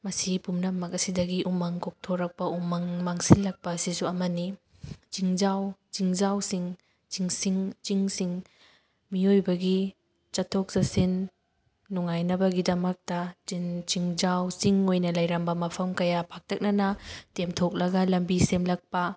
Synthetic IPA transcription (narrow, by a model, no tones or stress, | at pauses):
mɐsipumnɐmɐkɐsidɐɡiʔumɐŋkok̚tʰoɾɐk̚pɐumɐŋmaŋsilːɐk̚pɐːsisuɐmɐni | t͡ʃiŋzawt͡ʃiŋzawsiŋ | t͡ʃiŋsiŋt͡ʃiŋsiŋ | miojbɐɡi | t͡ʃɐtʰok̚sɐsinː | uŋajnɐbɐɡidɐmɐk̚tɐt͡ʃint͡ʃiŋzawsiŋojnɐlɐjɾɐmbɐmɐpʰɐmkɐjapʰak̚tʰɐk̚nɐnɐtemtʰok̚lɐɡɐlɐmbisemlɐk̚pɐ